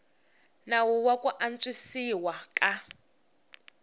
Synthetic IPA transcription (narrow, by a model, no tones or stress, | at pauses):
nawuwakuʔant͡sisiwakʼa